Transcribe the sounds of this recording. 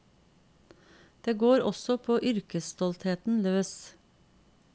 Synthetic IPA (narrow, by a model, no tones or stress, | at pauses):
d̪̥eːɡoːɾɔsɔpʰoːʔʏɾkəsst̪ɔlt̪heːt̪n̩løːs